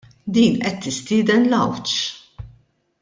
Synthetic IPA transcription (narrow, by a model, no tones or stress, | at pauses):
d̪iːnʔɛt̪ːɪst̪ɪːd̪ɛnlɐwt͡ʃ